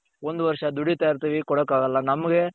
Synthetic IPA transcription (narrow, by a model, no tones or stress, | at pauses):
ɔnd̪ɯʋɐɾʂad̪ʊɽit̪ɐːɾt̪ɐʋikɔɽɐkːaːɣɐlːãːnɐmɐɡe